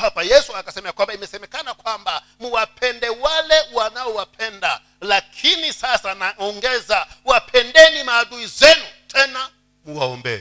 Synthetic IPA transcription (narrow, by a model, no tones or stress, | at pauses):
papajɛsuakasɛmɛjakwambaimɛsɛmɛkanakwamba | muwapʰɛndɛwalɛuwanawɔwapʰɛnda | lakʰinisasanaɔŋɡɛzawapʰɛndɛnimaːduizɛnutʰʼɛna | muwaɔ̰mbɛ̰ːlɛ